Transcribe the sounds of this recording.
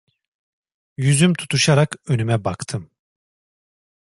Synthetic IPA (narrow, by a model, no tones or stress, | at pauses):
jyzymt̪ʰu̥t̪ʰuʃaɾakø̞nymɛbakt̪ʰɯm